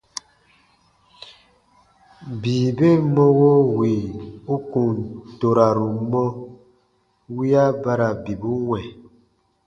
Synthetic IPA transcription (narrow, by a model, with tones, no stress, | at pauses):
biː˨be˦˨mɔ˦wo˦wi˨u˦ku˨nto˨ɾa˨ɾu˨mɔ˦ | wi˦a˦ba˦ɾa˨bi˨bu˦wwɛ˨